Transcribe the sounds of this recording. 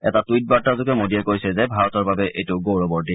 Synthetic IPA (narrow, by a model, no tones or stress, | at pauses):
ɛtatuit̚baɹtazʊkɛmodiɛkojsɛzɛbʱaɹɔtɔɹbabɛʔejtʊɡowɹɔbɔɹdi